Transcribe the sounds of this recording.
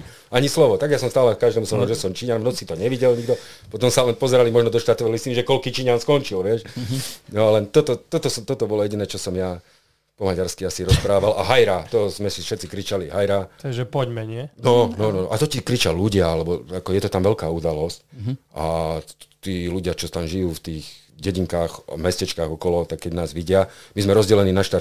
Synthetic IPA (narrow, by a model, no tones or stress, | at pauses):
aɲislɔʋɔt̪aɡjasɔmst̪aːlɛkaʒd̪ɛːmusɔʒɛsɔmt͡ʃiɲanmnɔt͡sit̪ɔɲɛʋiɟɛlɲiɡd̪ɔpɔt̪ɔmsalɛnpɔzɛɾalimɔʒnɔd̪ɔʃt̪aɾt̪ɔʋɛlist̪iniʒɛkɔlkiːt͡ʃiɲanskɔnt͡ʃilʋɪɛʃnɔalɛnt̪ɔt̪ɔt̪ɔt̪ɔsɔt̪ɔt̪ɔbɔlɔjɛɟinɛːt͡ʃɔsɔmja | pɔmaɟaɾskiasiɾɔspɾaːʋala̰ɦajɾat̪ɔzmɛsiʃɛtt͡sikɾit͡ʃalḭɦajɾaɔɛʒɛpɔɟmɛɲɪɛnɔnɔnɔʔat̪ɔcikɾit͡ʃalluɟɪaalɛbɔakɔjɛt̪ɔt̪amʋɛlkaːud̪alɔscʔa̰ | t̪iːluɟɪat͡ʃɔt̪amʒijuːft̪iːɣ | ɟɛɟiŋkaːxmɛscɛt͡ʃkaːɣɔkɔlɔt̪akkːɛɟnaːzʋiɟɪamizmɛɾɔzɟɛlɛniːnaʃt̪aɾ